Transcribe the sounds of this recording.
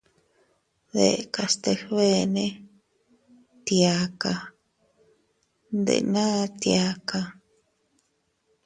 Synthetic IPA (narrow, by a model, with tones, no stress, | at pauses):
ðḛ˨˧ka˧st̪e˧hβe˦nẽ˦ | t̪ja˧ka˧ | nd̪ḛ˧nã˦˧t̪ja˧ka˧